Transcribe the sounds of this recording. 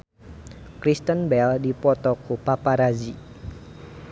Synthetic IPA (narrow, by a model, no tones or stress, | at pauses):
kɾist̪ənbɛldipɔt̪ɔkupapaɾazi